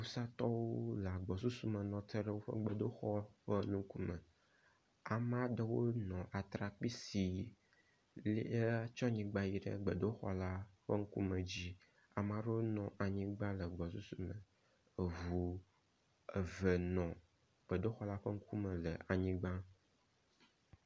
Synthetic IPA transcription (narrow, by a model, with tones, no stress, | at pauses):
u˨sa˦t̪ɔ˦wo˦la˨ɡ͡bɔ˨su˦su˦mə˨nɔ̃˨t̪ə˦ɖə˦wo˦ɸə̰˦ɡ͡bə˨ɖo˦xɔ˦ɸə˦nũ˦ku˦mə̃˨ | a˨m˦ã˦ɖə˨wo˦nɔ̃˨ʔa˨t̪ɾa˨k͡pi˦si˨ | le˦t͡ʃɔ̃˦ɲĩ˨ɡ͡ba˦ji˦ɖə̰˦ɡ͡bə˨ɖo˦xɔ̰˦la˦ɸə˦ŋ̩˦ku˦mə̃˨d͡ʑi˦ | a˨m˨ã˨ɖə˦wo˦nɔ̃˨ʔa˨ɲĩ˦ɡ͡bã˦lə˨ɡ͡bɔ˨su˦su˦mə̃˨ | ə˨vu˨ | ə˨və˨nɔ̃˨ | ɡ͡b̥ə˨ɖo˦xɔ˦la˦ɸə˦ŋ̩˦ku˦mə̃˨lə˨ʔa˨ɲĩ˦ɡ͡bã˦